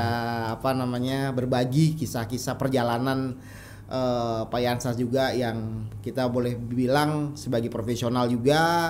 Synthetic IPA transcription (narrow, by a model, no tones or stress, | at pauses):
panamaɲabərbaɡikisakisapərd͡ʒalanan | ʔəpajansasd͡ʒuɡajaŋkit̪abolɛhbilaŋsəbaɡipɾofesionald͡ʒuɡa